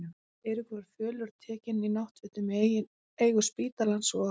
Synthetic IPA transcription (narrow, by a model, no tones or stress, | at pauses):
eɾʏkvaɾ̥fœːlʏɾ̥t̪ʰɛːcɪninawht̪vɪt̪ʏm | eːjɣʏspiːt̪alansɔ